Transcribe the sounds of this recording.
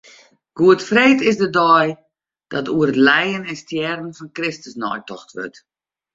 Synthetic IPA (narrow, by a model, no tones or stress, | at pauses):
ɡ̥uətfreːtɪsdədɔj | d̥ɔtuərətlɛjənɛnstjɛrən̩fɔnkrɪstəsnɔ̰jtɔxtʋø̰rt